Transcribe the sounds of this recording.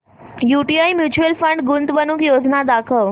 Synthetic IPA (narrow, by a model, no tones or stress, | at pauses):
juːʈiaːimjuːt͡ʃuəlfəɳɖɡʊnt̪ʋənukjoːd͡ʒnad̪aːkʰəl